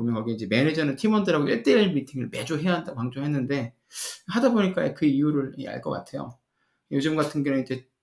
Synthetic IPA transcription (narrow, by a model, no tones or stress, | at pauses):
omjʌnkʌɡiind͡ʑe̞me̞ned͡ʑʌnɯntʰimʌndɯɾaɡoʔeɭt͈eiɭmitʰiŋɯɭme̞d͡ʑoɦejaɦandaɡokaŋd͡ʑoɦenːɯnde̞ | hadaboɲik͈aekɯijuɾɯɭ̰a̰ɭk͈ʌk͈a̰tʰe̞jo̰ | jod͡ʑɯmɡatʰɯnɡʌind͡ʑe̞